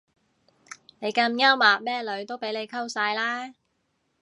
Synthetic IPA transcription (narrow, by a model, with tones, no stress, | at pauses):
ne˨˧jkɐ˧mjɐ˥wmaː˨k̚mɛː˥lɵ˨˥ɥt̪o˥wpe˨˥jle˨˧jkʰɐ˥wsaː˧jlaː˥